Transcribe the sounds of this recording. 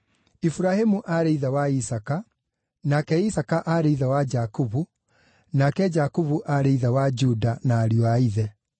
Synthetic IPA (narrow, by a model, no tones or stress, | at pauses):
ifuɾahemuʔaɾeiðawaisaka | nakɛisakaʔaɾeiðawad͡ʒakuβu | nakɛd͡ʒakuβuʔaɾeiðawad͡ʑudanaːɾjɔaiðɛ